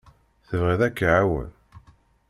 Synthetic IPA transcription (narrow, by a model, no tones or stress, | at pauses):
θəvʁiðækːaʕawə̰l